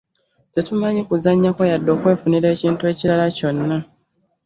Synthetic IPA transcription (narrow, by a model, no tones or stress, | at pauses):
tetumaɲikuzaɲːako̞jadːo̞ːkwe̞ːfuniɾe̞ːciːntue̞ːciɾalaco̞nːa